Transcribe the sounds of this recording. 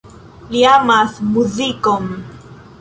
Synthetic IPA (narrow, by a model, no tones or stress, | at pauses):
liamaθmuzikom